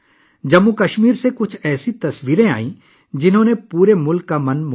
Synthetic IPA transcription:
d͡ʒɐmːukɐʃmiːɾsekʊt͡ʃʰɛːsit̪ɐswiːɾẽa̰ːĩ | d͡ʒɪnɦõːnepuːɾemʊlkːamɐ̃nm

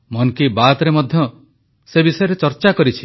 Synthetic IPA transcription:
mɔnkibat̪ɔɾemɔd̪ʱjɔ | sebisɔjɔɾet͡ʃɔɾt͡ʃakɔɾit͡ʃʰi̥

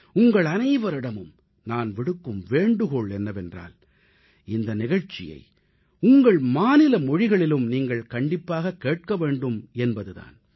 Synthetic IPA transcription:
ʊŋɡɐɭɐnɐɪʋɐɾɪɽɐmɯm | naːnʋɪɽɯkːɯmʋeːɳɖɯɣoɭɛnːɐʋɛndra̰ːl | ɪnd̪ɐnɪɣɐɻt͡ʃɪ̰jɐ̰ɪ | ʊŋɡɐɭmaːnɪlɐmɔɻɪɣɐɭɪlɯmniːŋɡɐɭkɐɳɖɪpːaːɣɐkːeːʈ̚kɐʋeːɳɖɯmɛnbɐðɯða̰ːn

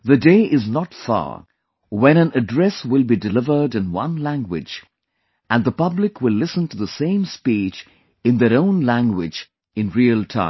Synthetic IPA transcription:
ðɨdeɪʔɪznətfɑ̰ | wɛ̃ñæ̃nɨdɹɛswɪlˠbidɨlɪvə˞dɨ̃nwʌ̰̃nlæ̃ŋɡwɪ̰d͡ʒ | ʔæ̃nðəpʌblɪkʰwɪlːɪsə̃ntuðəsẽɪ̃mspit͡ʃ | ɨ̃nðəɾõʊ̃nlæ̃ŋɡwɪ̰d͡ʒ | ɨ̃nɹiəlˠtʰã̰ɪ̃

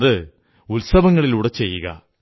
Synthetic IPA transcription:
ðɨ | ulsɐʋɐŋːɐɭiluːɽet͡ɕe̞jːuɣɐ̰

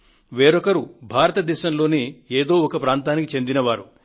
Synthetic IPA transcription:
ʋeːɾɔkɐɾubʱaːɾɐt̪ɐd̪ɛːʃɐmlo̞ːneeːd̪o̞ːɔkɐpɾaːnt̪aːnikit͡ʃe̞nd̪inɐʋaːɾu

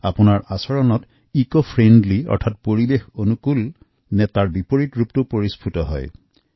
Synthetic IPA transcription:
a̰punaɹʔasɔɹɔnɔt | ikopʰɹendliɔ̰ɹtʰat̚poɹibexonukul | nɛtaɹbipoɹitɹup̚tʊpoɹispʰutɔɦɔ̰j

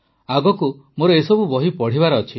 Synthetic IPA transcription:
aɡɔku | moɾɔesɔbubɔɦipɔɽ̤ibaɾɔːt͡ʃʰi

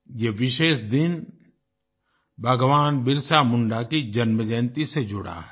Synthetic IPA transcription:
jeʋɪʃeːʃd̪ɪn | bʱəɡʋaːnbɪɾsamʊɳɖakid͡ʒɐnməd͡ʒɛ̃ːnt̪ised͡ʒʊɽa̰ɦɛ

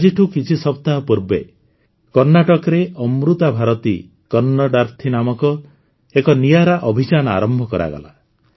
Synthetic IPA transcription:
d͡ʒiʈʰukit͡ʃʰisɔp̚t̪aɦɔpuɾbḛ | kɔɾnaʈɔkɔɾeɔmɾut̪abʱaɾɔt̪ḭ | kɔɾnɔɖaɾt̪ʰinamɔkɔ | ekɔnijaɾaʔɔbʱit͡ʃanɔa̰ɾɔmbʱɔkɔɾʔa̰ɡɔ̰la̰

